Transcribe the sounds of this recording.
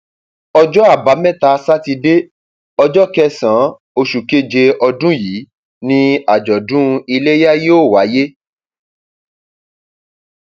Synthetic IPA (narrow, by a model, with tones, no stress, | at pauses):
ɔ˧d͡ʒɔ˦a˦˨ba˨˦mɛ̃˦˨ta˧sa˦ti˧de˦ | ɔ˧d͡ʒɔ˦kɛ˦sã˨˦ | o˧ʃu˨ke˦˨d͡ʒe˧ʔɔ˧dũ˦ji˨˦ | nĩ˧a˨d͡ʒɔ˨dũ˦i˧le˦ja˦je˦o˦˨wa˨˦je˦